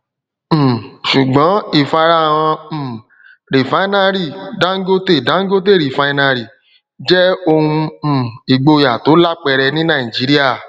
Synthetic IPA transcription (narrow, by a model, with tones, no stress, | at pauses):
ʃu˨ɡ͡bɔ̃˨˦i˦˨fa˧ɾa˦˨w̃ɔ̃˧˨ | ɾi˨fa˨˦nã˧ɾi˦˨dã˦ɡo˦te˦˨dã˨˦ŋ˦ɡo˦te˦˨ɾi˨fa˧i˧nã˧ɾi˨ | d͡ʒɛ˦o˧hũ˧˨i˨ɡ͡bo˧ja˨to˨˦la˦k͡pɛ˧ɾɛ˧nĩ˦nã˦˨ĩ˨d͡ʒi˨˦ɾi˦a˦˨